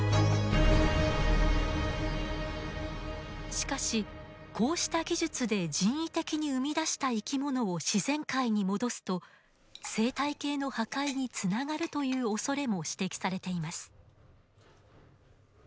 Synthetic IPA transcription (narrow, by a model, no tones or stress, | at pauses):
ɕi̥kaɕi | kʰo̞ːɕi̥t̪aɡʲiʑɨt͡sɨd̪e̞d͡ʑĩɰ̃it̪e̞kʲiɲ̟iɯ̟mʲid̪aɕi̥t̪aikʲimo̞no̞oɕizẽ̞ŋkaiɲ̟imo̞d̪o̞sɨ̥t̪o̞ | se̞ːt̪aike̞ːno̞hakaiɲ̟it͡sɨnaɡaɾɯ̟t̪o̞jɯ̟ːo̞so̞ɾe̞mo̞ɕi̥t̪e̞kʲi̥saɾe̞t̪e̞imasɨ̥